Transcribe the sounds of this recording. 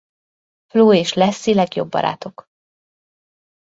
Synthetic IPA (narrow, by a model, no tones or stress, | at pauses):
floːeːʃlɛsːilɛɡjobːɒ̰ɾa̰ːt̪o̞k